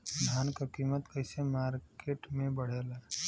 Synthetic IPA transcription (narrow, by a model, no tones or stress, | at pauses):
d̪ʱaːnkakiːmət̪kəɪsemaːɾkeːʈmẽbəɽ̤eːlaː